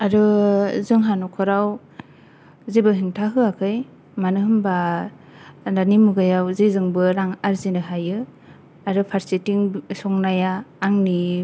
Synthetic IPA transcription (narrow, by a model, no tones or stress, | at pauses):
aɾɯzɯŋɦanɔkʰɔɾaw | zebɯɦiŋtʰaɦɯakʰɯj | manɯhɯmba | danimuɡajawzezɯŋbɯɾaŋaɾzinɯɦajɯ | aɾɯpʰaɾsitiŋsɔŋnajaːŋni